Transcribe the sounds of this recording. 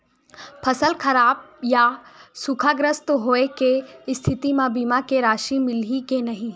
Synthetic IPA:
pʰɐsəlkʰɐɾaːb̚jasukʰaːɡɾəst̪oɦoːekest̪ʰɪt̪imãbimakeɾaːʃimɪlikenɐɦĩː

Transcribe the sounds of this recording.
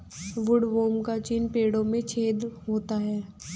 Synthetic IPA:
ʋʊɽʋoːmkat͡ʃinpeːɽõmẽt͡ʃʰeːd̪ɦoːt̪aɦɛː

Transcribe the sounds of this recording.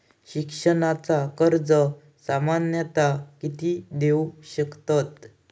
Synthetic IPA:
ɕikʂəɳat͡sakəɾd͡zə | samanjət̪akit̪id̪euɕəkt̪at̪

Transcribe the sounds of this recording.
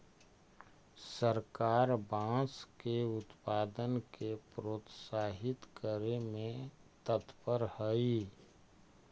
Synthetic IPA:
səɾkaːɾbãːskeʊt̪paːd̪ənkepɾoːt̪saːɦɪt̪kəɾemẽt̪ət̪pəɾhəi

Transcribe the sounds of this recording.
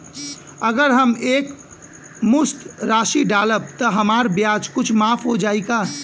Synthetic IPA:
əɡəɾɦəmek | mʊst̪ɾaʃiɖaləb̚t̪əɦəmaɾbjad͡ʒkʊt͡ʃʰmaːpʰɦod͡ʒaːika

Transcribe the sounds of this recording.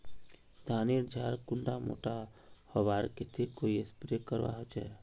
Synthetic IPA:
d̪ʱaːniɾd͡ʒʱaːɾkʊɳɖamo̰ːʈahəʋaːɾket̪ʰekoːiespɾekəɾʋa̰ːɦot͡ʃɛ̰ː

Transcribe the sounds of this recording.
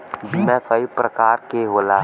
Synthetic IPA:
bimɛ̃kəipɾəkaːɾkeɦoːla

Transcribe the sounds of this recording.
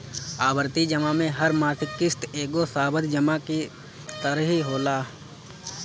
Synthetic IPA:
aːbəɾt̪id͡ʒəmamẽɦɐɾmaːsɪkːɪst̪eːɡosaːbəd̪d͡ʒəmaki | t̪əɾəɦiɦoːlaː

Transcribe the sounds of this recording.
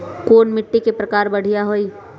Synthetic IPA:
koːnmɪʈːikepɾəkaːɾbəɽ̤ijaɦoːiː

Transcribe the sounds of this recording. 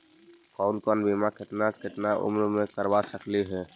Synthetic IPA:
kɔːʊnkɔnbeːmakɪt̪nakɪt̪naʔʊ̰mɾmẽkəɾbasəkleɦɛː

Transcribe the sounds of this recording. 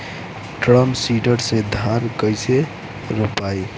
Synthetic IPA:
ʈɾəmsiɖəɾsẽd̪ʱaɾkəjse | ɾupaj

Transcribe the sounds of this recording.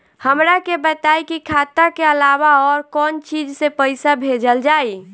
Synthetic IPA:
həmɾakebət̪ajkikʰat̪akeəlawaɔːɾkɔːnt͡ʃid͡ʒsepəɪsabʱed͡ʒəld͡ʒai

